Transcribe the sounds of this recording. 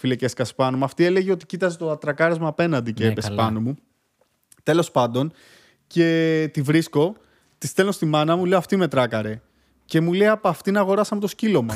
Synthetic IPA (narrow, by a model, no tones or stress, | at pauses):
fileceskɐspɐnomuɐft̪ie̞le̞ʝeo̞t̪i̥cit̪ɐzet̪ot̪ɾɐkɐɾezmɐːpe̞nɐnd̪iceepespɐnomu | t̪e̞lo̞spɐnd̪o̞n | ce̞t̪ivɾisko̞ | t̪ist̪e̞lno̞st̪imɐnɐmule̞oɐft̪ime̞t̪ɾɐkɐɾe̞ | ce̞muleɐpɐft̪inɐːɣo̞ɾɐsɐmet̪oscilo̞mɐ